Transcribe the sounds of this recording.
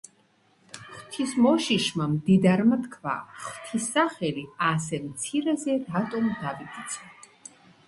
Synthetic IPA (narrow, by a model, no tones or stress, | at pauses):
χt̪ʰismɔʃiʃmamd̪id̪aɾmat̪kʰva̰χt̪ʰisːaχɛliasɛmt̪sʰiɾɛzɛɾat̪ʼɔmd̪aviɡ̪ʼit̪sʰɔ